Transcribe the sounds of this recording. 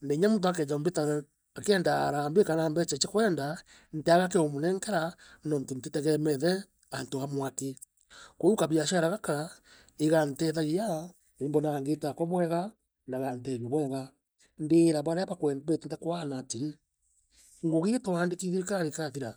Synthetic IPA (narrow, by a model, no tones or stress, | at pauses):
ndeɲamunt̬oak̬ɛɲambeta | akɛndaːɾambekanambɛt͡ʃɛt͡ʃɛkwɛːnda | n̩teaɣak̬ɛomonɛŋkɛɾanɔnton̩tetɛɣɛmɛðɛ | antoamwake | koukaβiaʃaɾaɣaka | eɣantɛðaɣia | embɔnaaŋɡetakɔβwɛɣa | naɣantɛɾiβwɛɣa | ndeːɾaβaɾɛaβakwɛbetɛntakoanatiɾi | ŋɡoɣetawaːndekiðiɾekaɾekatiɾa